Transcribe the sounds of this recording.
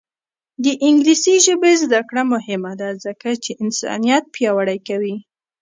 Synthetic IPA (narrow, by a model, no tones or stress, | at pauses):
d̪əʔɪŋɡlisiʒəbezd̪akɽamʊhɪmad̪azəkat͡ʃeʔɪnsɑ̰nijat̪̚pjɑwaɽajkawi